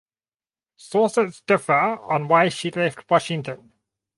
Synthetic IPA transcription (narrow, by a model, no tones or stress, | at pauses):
sɔˑsətsd̥ɪfəə̃nwaɪʃilɛftʰwɒʃɪ̃ŋtʰə̃n